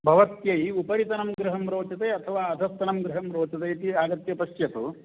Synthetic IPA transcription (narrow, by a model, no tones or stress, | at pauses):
bʱɐʋɐt̪jɐjupɐɾit̪ɐnɐmɡɾɪɦɐmɾoːt͡ʃɐt̪ɐjɐt̪ʰɐʋaːɐd̪ʱɐst̪ːɐnɐmɡɾɪɦɐmɾoːt͡ʃɐt̪ɐjt̪iaːɡɐt̪jɐpɐʃjɐt̪u